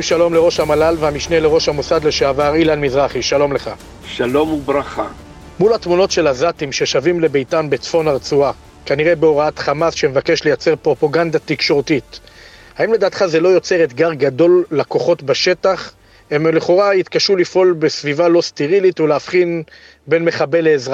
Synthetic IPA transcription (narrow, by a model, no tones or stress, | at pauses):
ʃalo̞mleʁo̞ʃhamalalveamiʃneleʁo̞ʃhamusad̪leʃeavaʁilanmizʁaχiʃalo̞mle̞χa̰ | ʃalo̞mubʁaχa | mulat̪muno̞tʃe̞lazat̪imʃeʃavimle̞be̞jtanbet͡sfo̞naʁt͡sua | kaniʁe̞beo̞ʁaat̪χamasʃeme̞vake̞ʃle̞jat͡se̞ʁpʁo̞paɡand̪at̪ikʃo̞ʁt̪it | haimled̪aːt̪χaze̞lo̞jo̞t͡se̞ʁet̪ɡaʁɡad̪o̞lːako̞χo̞tbaʃe̞t̪aχ | emleχo̞ʁait̪kaʃulifʔo̞lbesvivalo̞st̪iʁilit̪uleafχin | be̞nmeχabeleːzʁa